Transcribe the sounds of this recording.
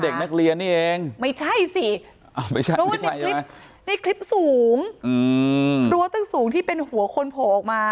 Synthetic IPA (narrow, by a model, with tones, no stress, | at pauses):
de˨˩k̚na˦˥˩k̚li˧ənːiː˥˩ʔeː˧ŋma˥˩jt͡ɕʰa˥˩jsi˨˩ | ʔa˧˩ma˥˩jt͡ɕʰa˥˩˧a˥˩ja˧i˦ŋa˦˥ | na˧˩jkʰli˦˥p̚suː˦˩˦ŋʔɯː˧ɾu˦˥˦t̪ɯ˥˩suː˨˩˦ŋt̪ʰiː˥˩pe˧nhu˨˩˦ɐkʰo˧npʰoː˨˩ʔɔː˨˩k̚maː˧